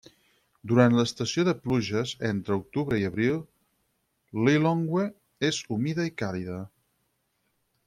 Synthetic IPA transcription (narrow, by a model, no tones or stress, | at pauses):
d̪uɾant̪ləːst̪əsioðəpluʒəzent̪ɾəuk̚t̪uβɾəiəβɾilˠ | liloŋɡwe | ezumiðəikaliðə